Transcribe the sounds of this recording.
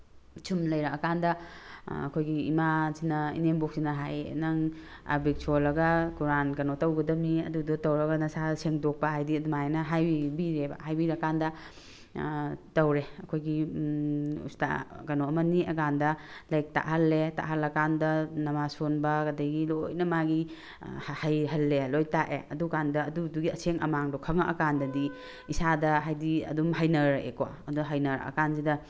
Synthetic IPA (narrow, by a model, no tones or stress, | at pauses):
t͡ʃʰumlɐjɾakɐkandɐɐ̰kʰojɡḭːmasinɐḭnembok̚sinɐɦajnɐŋ | a̰bik̚t͡ʃʰolɐɡɐkuɾankɐnotɐwɡɐdɐmniɐ̰dudotɐwɾɐɡɐnɐsaseŋdok̚pɐɦajdiɐdumajnɐɦajbibiɾebɐ̰hajbiɾɐkandɐ | tɐwɾeɐkʰojɡi | ṵsta̰kɐnoɐmɐniɐkandɐlɐjk̚ta̰ʔɦɐlːeta̰ʔɦɐlːɐkandɐnɐmasonbɐkɐdɐjɡilojnɐmaɡi | hajɦɐlːelojtaʔḛɐdukandɐːduduɡiɐseŋɐ̰maŋdɔkʰɐŋɐʔɐ̰kandɐdi | isadɐɦajdiɐ̰dumɦajnɐɾḛkoa̰ɐduɦajnɐɾɐ̰kanzidɐ